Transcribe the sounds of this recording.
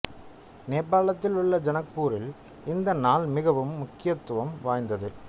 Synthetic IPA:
neːɾpaːɭɐt̪ːɪlʊɭːɐd͡ʒɐnɐk̚puːɾɪl | ɪnd̪ɐnaːlmɪɣɐʋɯmːʊkːɪjɐt̪ːʊʋɐmʋaːjnd̪ɐðɯ

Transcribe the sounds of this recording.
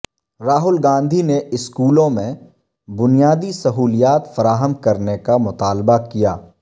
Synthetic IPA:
ɾaːɦʊlɡãːnd̪ʱineʔɪskuːlõmẽ | bʊnijaːd̪isɐɦuːlijaːt̪fɐɾaːɦəmkɐɾnekamʊt̪aːlbakija̰ː

